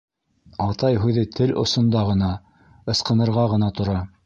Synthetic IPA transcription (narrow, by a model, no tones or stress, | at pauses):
ɑt̪ɑjɦʉðɘt̪ʰɘlʔŏ̰sŏnd̪ɑʁɤ̆nɑ | ɤ̆sqɤ̆nɤ̆ɾʁɑʁɤ̆nɑt̪ŏɾɑ